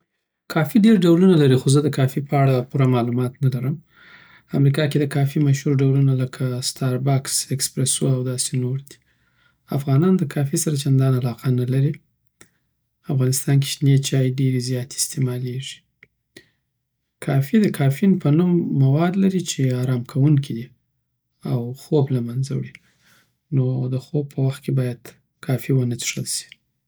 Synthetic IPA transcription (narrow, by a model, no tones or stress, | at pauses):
kʰɑfiɖeɾɖawlunalaɾixozəd̪əkɑfipəaɽapuɾamɑlumɑt̪nalaɾəm | əamɾikɑked̪əkɑfimaʃhuɾɖawlunaləkʰast̪ʰɑɾbɑksekspɾesuawd̪ɑsenoɾd̪i̥ | afɣɑnɑnd̪əkʰɑfisaɾat͡ʃand̪ɑnalɑqʰanalaɾi | afɣɑnɪst̪ɑnk̬i̥ʃnet͡ʃɑjeɖeɾezjɑt̪eɪ̥st̪emɑleʐi̥ | kʰɑfid̪əkʰɑfinpənumːawɑd̪laɾit͡ʃeɑɾɑmkʰawuŋkʰid̪i | awxoblamanza̰wɽi | nod̪əxob̚pʰəwaxt̪̚kebɑjad̪̥ | kʰɑfiwənət̪ʂəlsi̥